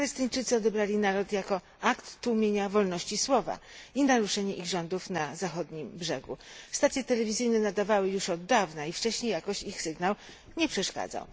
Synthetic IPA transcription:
palɛst̪ɘɲt͡ʂɘt̪sɨɔd̪ɛbɾalʲinaɾɔt̪jakɔ | akt̪ːuwmʲjeɲavɔlnɔɕt͡ɕiswɔva̰inaɾuʂɛɲɛʔiɣʐɔnd̪ufnazaxɔd̪ɲimbʐɛɡṵst̪at̪sʲjɛt̪ɛlɛvʲizɘjnɛnad̪avawɘjuʂɔd̪ːavnaift͡ʂɛɕɲejakɔɕixsɘɡnaw | ɲɛpʂɛʂka̰d̪za̰w

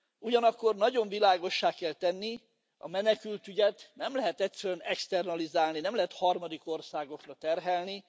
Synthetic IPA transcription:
uɟɒnɒkːo̞rnɒɟo̞ɱvilaːɡo̞ʃːaːkɛlt̪ɛnːi | ɒ̰mɛnɛkylt̪yɟɛt̪nɛmlɛɦɛt̪ɛtsɛɾøɛnɛkst̪ɛrnɒlizaːlninɛmlɛɦɛt̪hɒrmɒd̪iko̞rsaːɡo̞krɒt̪ɛrɦɛlni

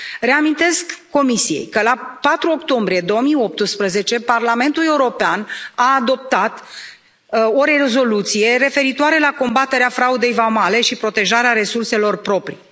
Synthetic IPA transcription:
re̞amint̪e̞skːo̞misije̞̰jkəlapat̪ɾuo̞kt̪o̞mbɾije̞d̪o̞womijo̞p̚t̪ɨspɾəze̞t͡ʃe̞parlame̞nt̪ule̞uɾo̞peanaːd̪o̞p̚t̪at̪ | o̞ɾere̞zo̞lut̪sije̞ɾe̞fe̞ɾit̪oaɾe̞lako̞mbat̪e̞ɾeafɾaud̪e̞jvamale̞ʃipɾo̞t̪e̞ʒaɾeaɾe̞surse̞lo̞rpɾo̞pɾḭ

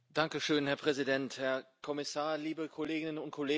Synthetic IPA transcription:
d̥aŋkəʃøːnhɛɐpʁ̥ɛzidɛnthɛɐkʰɔmɪsaːɐliːbəkʰɔleːɡɪnənʊntkʰɔleː

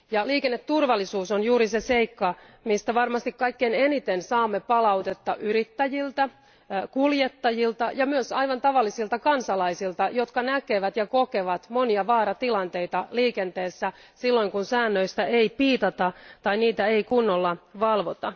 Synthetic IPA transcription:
jɑliːkenːet̪ːurʋɑlːisuːsonjuːɾiseseikːɑ | mist̪æʋɑrmɑst̪ikkɑikːene̞nit̪ensɑːmːepɑlɑut̪et̪ːɑʔyɾit̪ːæjilt̪æ | kuljet̪ːɑjilt̪ɑjɑmyøsɑiʋɑnt̪ɑʋɑlːisilt̪ɑkɑnsɑlɑisilt̪ɑjo̞t̪kɑnækeʋæt̪jɑkokeʋɑt̪moniɑʋɑːɾɑt̪ilɑnt̪e̞ijt̪ɑliːkent̪eːsːæ | silːo̞iŋkunsæːnːøist̪æeipiːt̪ɑt̪ɑt̪ɑiniːt̪æeikunːolːɑʋɑlʋot̪ɑ

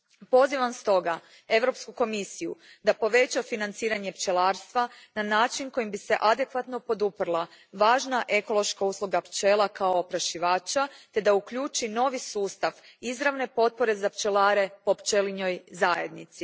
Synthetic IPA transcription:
po̞ziʋamst̪o̞ɡa | e̞ʋɾo̞pskuko̞misijud̪apo̞ʋe̞t͡ʃafinant̪siːɾaɲe̞pt͡ʃe̞lˠaːɾst̪ʋa | nanaːt͡ʃinko̞jimbise̞ʔad̪e̞kʋat̪no̞po̞d̪upr̩lˠaʋaːʒnaʔe̞ko̞lˠo̞ʃkauːslˠuɡapt͡ʃe̞lˠakaopɾaʃiʋaːt͡ʃat̪e̞d̪aukʎuːt͡ʃino̞ʋisuːst̪aʋ | izɾaʋne̞po̞t̪̚po̞ɾe̞zapt͡ʃe̞laːɾe̞po̞pt͡ʃeliɲo̞jzaje̞d̪nit̪si

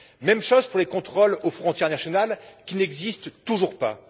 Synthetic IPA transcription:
mɛmʃozpuʁlekɔ̃t̪χolofχɔ̃t̪jɛʁnasjɔnalkʲinɛɡzist̪ːuʒuʁpa̰

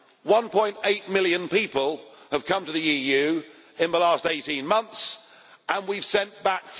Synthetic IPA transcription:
wʌ̃npʰɔ̃ɪ̃nteɪʔ̚mɪlˠjɨ̃npipəlˠəv̥kʰʌ̃mtəðɨijʉ | ɪ̃nðəlæsteɪtĩnmʌ̃nθs | ə̃nwiv̥sɛ̃nb̥ækf

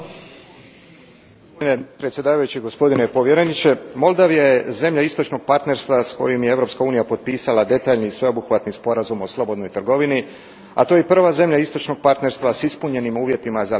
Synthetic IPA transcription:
oinepɾet̪sjed̪aːʋajut͡ɕiɡo̞spo̞d̪inepo̞ʋje̞ɾenit͡ʃe̞mo̞lˠd̪aʋijaje̞ze̞mʎaist̪ot͡ʃno̞ɡ̚paɾt̪ne̞ɾst̪ʋasko̞̰jimjeevɾo̞pskauːnijapo̞t̪̚piːsalad̪e̞t̪aːʎnisʋe̞o̞buxʋat̪nispo̞ɾazumo̞slˠo̞bo̞d̪no̞jit̪r̩ɡo̞ʋini | a̰t̪o̞jepr̩ʋaze̞mʎaist̪o̞t͡ʃno̞ɡ̥̚paɾt̪ne̞ɾst̪ʋasispuɲe̞nimuːʋje̞t̪imaza

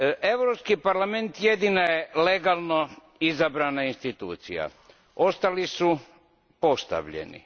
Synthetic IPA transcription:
ʔe̞ʋɾopskipaɾlame̞nt̪jed̪inajele̞ɡalˠno | izabɾaːnainst̪it̪uːt̪sija̰ | o̞st̪alisu | po̞st̪a̰ʋʎḛnḭ

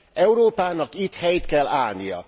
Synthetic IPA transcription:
ɛuɾoːpaːnɒkit̪hɛjt̪kɛlːa̰ːlnijɒ̰

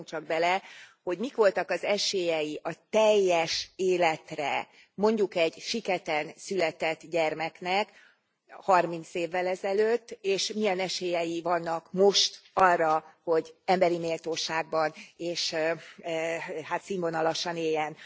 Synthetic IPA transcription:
ŋt͡ʃɒɡ̚bɛlɛho̞ɟmikʋo̞lt̪ɒkɒzɛʃeːjɛjiʔɒt̪ɛjːɛʃeːlɛt̪rɛ̰ | mo̞ɲɟukɛɟʃikɛt̪ɛnsylɛt̪ɛt̪ːɟɛrmɛknɛk | hɒrmint̪seːvːɛlɛzɛløːt̪ːeːʃmijɛnɛʃeːjɛjivɒnːɒkmo̞ʃt̪ɒrːɒho̞ɟɛmbɛɾimeːlt̪oːʃaːɡ̚bɒneːʃ | haːt̪siɱvonɒlɒʃɒneːjːɛn

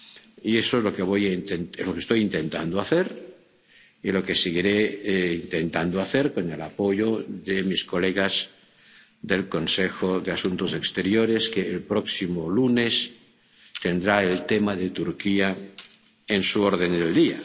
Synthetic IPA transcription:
iesoezlo̞keβ̞ojaint̪enezlo̞kest̪o̞jint̪e̞nt̪a̰nd̪oaθeɾ | ilo̞ke̞siɣiɾeint̪e̞nt̪and̪oaθeɾko̞ne̞lapoʝoðemisko̞leɣaz | ðe̞lko̞nsexoðeasunt̪osekst̪eɾjoɾeskeːlpɾoksimolunes | t̪e̞nd̪ɾaelt̪emaðet̪uɾkia | ensuoɾð̞end̪eld̪ia

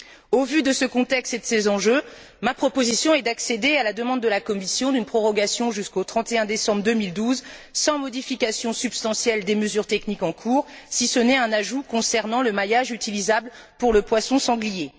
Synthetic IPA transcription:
ovyd̪əsəkɔ̃t̪ɛkst̪ed̪əsezɑ̃ʒø | mapχɔpozisjɔ̃ɛd̪aksed̪ealad̪əmɑ̃d̪ːəlakɔmisjɔ̃d̪ynpχɔʁɔɡʲasjɔ̃ʒyskot̪χɑ̃t̪eɛ̃d̪esɑ̃bʁd̪əmild̪uzsɑ̃mɔd̪ifikʲasjɔ̃sybst̪ɑ̃sjɛld̪eməzyʁt̪ɛknikɑ̃kʰuːʁsisənɛɛ̃naʒukɔ̃sɛʁnɑ̃ləmajaʒyt̪ilizabl | puʁləpwasɔ̃sɑ̃ɡlije

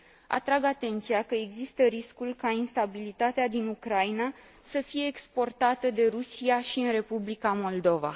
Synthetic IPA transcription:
a̰t̪ɾaɡat̪e̞nt̪sijakəe̞ɡzist̪əɾiskulʲkainst̪abilit̪at̪ead̪inukɾaina | səfije̞ːkspo̞rt̪at̪əd̪e̞ɾusiaʃiɨnɾe̞publikamo̞ld̪o̞va̰

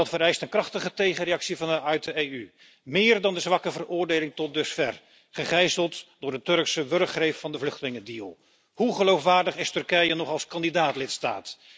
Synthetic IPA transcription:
ɑtfəɾɛjstənkrɑχtəχətejχənrejɑksivɑnəœɥtəejy | mɪːrdɑndəzʋɑkəvərʊːɹdejlɪŋtɔt̚dɵsfɛr | χəχɛjzəlˠtd̥ʊːɹdətɵɹksəʋɵrkχrejffɑndəvlɵχtəlɪŋədiːlˠ | ɦuχəlowfʋaːɹdəχɪstɵrkɛjənɔχɑlˠskɑndidaːtlɪtsta̰ːt

